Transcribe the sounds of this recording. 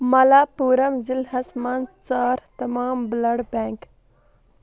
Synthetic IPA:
mɐlaːpuːɾɐmzilɦɐsmaːnt͡saːɾt̪ɐmaːmblɐɽbeŋk

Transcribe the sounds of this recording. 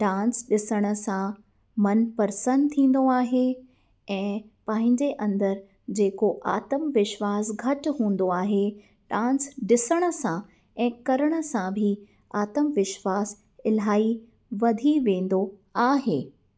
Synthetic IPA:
ɖãːnsɗɪsəɽ̃ə̆sã | mɐnpɐɾsə̃nd̪̚t̪ʰĩːn̆d̪oaːɦe | ɛ̃ːpɐ̃ɦɪ̃ɲd͡ʑeʔɐ̃nd̪əɾ | d͡ʑeːkoʔaːt̪əmʋɪʃʋaːsɡʱɐʈɦũːn̆d̪oaːɦe | ɖãːnsɗɪsəɽ̃ə̆sã | ɛ̃ːkɐɾəɽ̃ə̆sãbʱi | aːt̪əmʋɪʃʋaːs | ɪlɦaːi | ʋɐd̪ʱiʋẽːn̆d̪oaːɦeː

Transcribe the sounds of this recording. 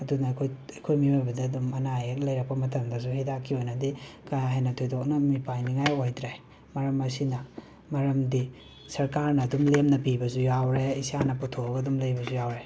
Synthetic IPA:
ɐdunɐkʰojɐjkʰojmiwajbɐdɐːdumɐnaeklɐjɾɐk̚pɐmɐt̬ɐmdɐs̬uhedakʰːiojnɐdikajaɦajnɐtʰojdok̚nɐmipajniŋajojdɾaj | mɐɾɐmɐsinɐ | mɐɾɐmdi | sɐɾkaɾnɐːdumlemnɐpibɐzujawɾeisianɐputʰoɐbɐdumlɐjbɐzujawɾe

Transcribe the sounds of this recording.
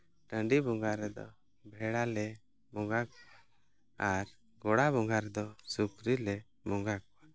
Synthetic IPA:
ʈə̃ɳɖibɔŋɡaɾɛd̪ɔ̰ | bʱɛɽalɛ | mɔŋɡak̚ | aɾ | ɡɔɽabɔŋɡaɾɛd̪ɔsukɾilɛ | mɔŋɡak̚

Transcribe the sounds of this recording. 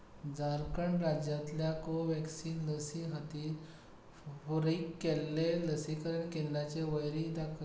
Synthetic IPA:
d͡zaɾkəɳɾad͡ʑjat̪ljakoʋɛksiːnləsiɦət̪iːt̪ | foɾikːelːeləsikəɾəɳkend̪at͡ɕeʋəjɾid̪akʰ

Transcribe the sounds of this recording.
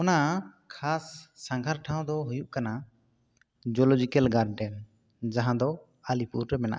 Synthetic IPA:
ɔnakʰasːãŋɡʱaɾʈʰãw̃d̪ɔɦujuʔkana | d͡ʒɔlɔd͡ʒikɛlɡaɾɖɛn | d͡ʒaɦãd̪ɔ | alipuɾɾɛmɛna̰ʔ

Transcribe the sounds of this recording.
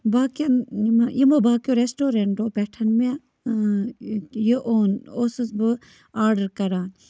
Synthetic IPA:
baːkɐnimaʔimobaːkjoɾesʈoːɾeɳʈoːpɛʈʰɐnme | jeʔoːnoːsɨsbɨ | aːɾɖɐɾkɐɾaːn

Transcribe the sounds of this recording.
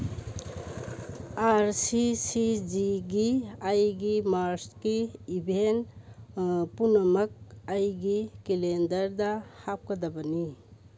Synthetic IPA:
aɾsisid͡ʒiɡiajɡimaɾskiibʱen | punɐmɐk̚ajɡikilendɐɾdɐhap̚kɐdɐbɐni

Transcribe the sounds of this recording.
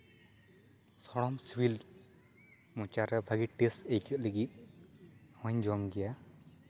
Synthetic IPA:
sɔɽɔmswil | mũt͡ʃaɾɛbʱaɡiʈesejkʰət̪̚ləɡit̪̚ | wɔ̃ɲd͡ʒɔmɡɛja

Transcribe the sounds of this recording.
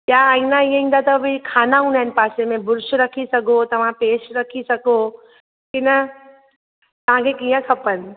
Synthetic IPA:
jjaĩnaijə̃ĩːn̆d̪at̪ɐbʱɪkʰaːnaɦũːnd̪aːɪnpaːsemẽbʊɾʃɾɐkʰisɐɡʱot̪ɐʋ̤ãpeːʃɾɐkʰisɐɡo | kɪnɐ | t̪ɐʋ̤ãkʰekiːə̃kʰɐpən

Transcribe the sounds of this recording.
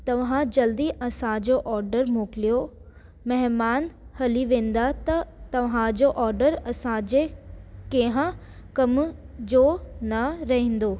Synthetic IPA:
t̪ɐʋɦãd͡ʑɐld̪iʔɐsãd͡ʑoʔɔːɾɖəɾmoːkɪlijo | mɛɦmaːnhɐliʋẽːn̆d̪at̪ɐt̪ɐʋɦãd͡ʑoʔɔːɾɖəɾɐsãd͡ʑekeɦã | kɐmd͡ʑoːnɐɾɐɦẽːn̆d̪oː

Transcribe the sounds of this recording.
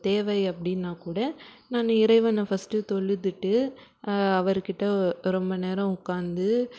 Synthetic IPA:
t̪eːʋɐɪɐpːɐɽɪnːaːkuːɽɐ | naːnːɐɪɾɐɪʋɐnːɐfɐsʈɯt̪ɔɭːɯt̪ːɯʈːɯ | ɐʋɐɾɯkɪʈːɐɾɔmbɐneːɾɐ̃ʊkːaːnd̪ɯ

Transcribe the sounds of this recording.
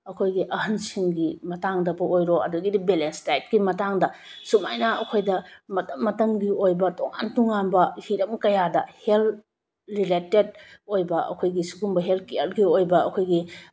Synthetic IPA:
ɐkʰojɡiʔɐɦɐnsiŋɡimɐtaŋdɐbɐojɾoɐ̰duɡidɐbelenstajt̚ɡimɐtaŋdɐsuma̰jnɐɐkʰojdɐmɐtɐmːɐtɐmɡiojbɐtoŋa̰ntoŋanbɐhiɾɐmkɐjadɐhel | ɾileted̚ojbɐʔɐ̰kʰojɡisuɡumbɐɦeltkeɐɾɡiojbɐɐkʰojɡi

